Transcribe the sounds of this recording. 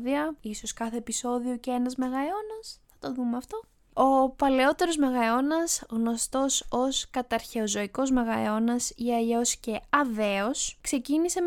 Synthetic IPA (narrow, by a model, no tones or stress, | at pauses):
ðiɐiso̞skɐθe̞ːpiso̞ðiocee̞nɐzme̞ɣɐo̞nɐsθɐt̪o̞ðumeɐft̪o̞ | o̞pɐle̞o̞t̪e̞ɾo̞zme̞ɣɐo̞nɐsɣno̞st̪o̞so̞skɐt̪ɐɾçe̞ozo̞iko̞zme̞ɣɐo̞nɐsiɐʎo̞sce̞ɐve̞oskse̞cinise̞